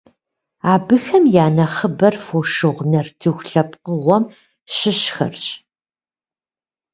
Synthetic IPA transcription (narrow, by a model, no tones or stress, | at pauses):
aːbɨxɐmjaːnɐχəbɐrfoːʃɨʁnɐrtʰɨxʷɬɐp̚ʼqəʁʷɔm | ʃɪɕxɐ̰rɕʼ